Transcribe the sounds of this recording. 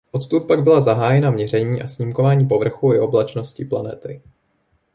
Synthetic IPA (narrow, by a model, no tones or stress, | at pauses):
ʔo̞t̪t̪ut̪̚paɡ̚bɪlazaɦaːjɛnamɲɛr̝ɛɲiːʔasɲimko̞vaːɲiːp̬o̞vr̩xuɪʔo̞blat͡ʃno̞scɪplanɛt̪ɪ